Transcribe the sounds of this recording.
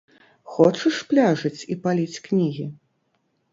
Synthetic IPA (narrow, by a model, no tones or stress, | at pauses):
xɔt͡ʂɨʂplʲaʐɨt͡sʲipalʲit͡sʲknʲiɣʲi